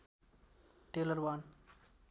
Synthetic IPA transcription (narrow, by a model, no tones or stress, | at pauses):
ʈeləɾwan